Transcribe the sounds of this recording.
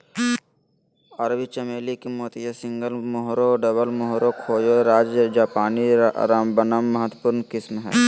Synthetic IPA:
ɐɾbit͡ʃɐmeːlikemoːt̪ijəsɪ̃ŋɡəlmʊɦɾoɖəβəlmʊɦɾokʰoːjoɾaːd͡ʒd͡ʒaːpaːniɾambənəmːɐɦət̪ːəpʊɾnkɪsmɦɛ̰ː

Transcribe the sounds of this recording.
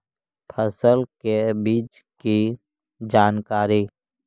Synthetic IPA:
pʰəsəlkebiːt͡ʃki | d͡ʒaːnkaːɾi

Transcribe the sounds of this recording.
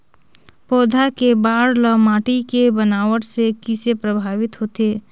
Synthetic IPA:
pɔːd̪ʱakebaːɽləmaːʈikebənaːʋəɽsekɪsepɾəbʱaːʋɪt̪ɦoːt̪eː

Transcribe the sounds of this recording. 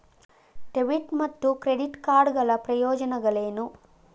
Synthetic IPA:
ʈeʋiʈmɐt̪ːukɾeɽiʈkaːɾɖɡɐɭɐpɾɐjɔːd͡ʒɐnɐɡɐɭeːnu

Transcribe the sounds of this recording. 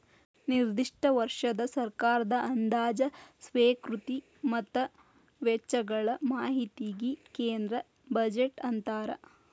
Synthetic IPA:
niɾd̪iʂʈɐʋɐɾʂɐd̪ɐsɐɾkaːɾɐd̪ɐʔɐnd̪aːd͡ʒɐsʋeːkɾut̪i | mɐt̪ːɐ | ʋɛt͡ʃːɐɡɐɭɐmaːɦit̪iɡikeːnd̪ɾɐ | bɐd͡ʒeʈɐnt̪aːɾɐ̰

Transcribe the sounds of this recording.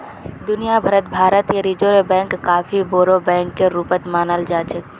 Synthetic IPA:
d̪ʊnijabʱəɾət̪bʱaːɾət̪jeɾid͡ʒoɾebɛ̃ːŋkːaːfʰiboːɾobɛ̃ːŋkːeɾuːpət̪maːnəld͡ʒaːt͡ʃək

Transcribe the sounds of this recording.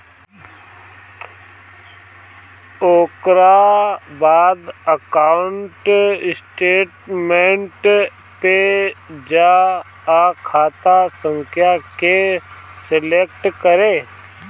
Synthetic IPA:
oːkɾabaːd̪əkaːʊɳʈɪsʈeːʈmẽɳʈ | ped͡ʒa | kʰaːt̪asə̃ŋkʰjakesɪlek̚ʈkəɾeː

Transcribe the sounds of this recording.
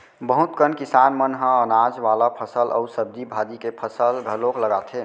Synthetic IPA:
bəɦʊt̪kənkɪsaːnmənɦə̃ənaːd͡ʒʋaːlapʰəsəlʔɔ̰usəb̚d̪ibʱaːd̪ikepʰəsəlɡʱəlokləɡat̪ʰɦeː

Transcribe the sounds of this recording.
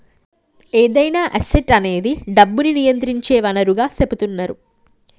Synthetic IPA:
eːd̪ɐjnaːʔɐseʈɐne̞ːd̪iɖɐbːuninijɐnt̪ɾiɲt͡ʃeːʋɐnɐɾuɡaːseput̪unːɐɾu

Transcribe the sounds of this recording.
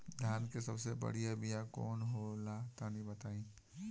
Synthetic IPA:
d̪ʱjaːnkesɐbsebə̰ɽ̤ijabijakɔ̰ːnɦolat̪anibət̪aːĩː

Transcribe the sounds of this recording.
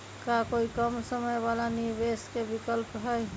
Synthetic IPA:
kakoikəmsəməjbalanɪɾbeskebɪkəlpɦəj

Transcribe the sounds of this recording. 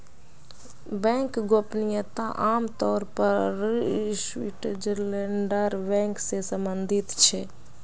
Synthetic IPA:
bɛ̃ŋkɡopnijət̪aʔaːmt̪ɔːɾpəɾswiʈd͡ʒəɾleɳɖəɾbɛ̃ŋksesəmbənd̪ʱɪt̪t͡ʃʰɛ

